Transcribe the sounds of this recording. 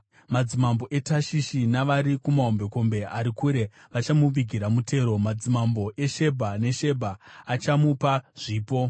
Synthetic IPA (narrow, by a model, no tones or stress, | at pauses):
mad͡zimambo̞ʔe̞taʃiʃinaʋaɾikumaɦo̞mbe̞ko̞mbe̞aɾikuɾe̞ | ʋat͡ʃamuʋiɡʱiɾamutʰe̞ːɾo̞mad͡zimambo̞ʔe̞ʃe̞bʱane̞ʃe̞bʱaːt͡ʃamupaʐ̥iːpo